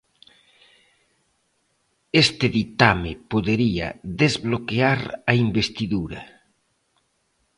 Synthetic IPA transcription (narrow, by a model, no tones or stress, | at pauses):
est̪ɪðit̪amɪpoðeɾiɐ̰ðezβlokeaɾɐimbest̪iðuɾɐ